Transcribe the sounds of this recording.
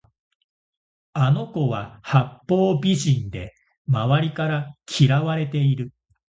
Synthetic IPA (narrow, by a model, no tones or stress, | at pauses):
ano̞ko̞βahapːo̞ːbʲiʑĩnd̪e̞ | maβaɾʲikaɾakʲʰiɾaβaɾe̞t̪e̞iɾɯ̟